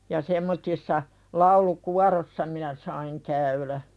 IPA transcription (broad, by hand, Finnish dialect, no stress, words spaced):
jɑ semːotːisːɑ lɑulukuɑrosːɑ minæ sɑiŋ kæylæ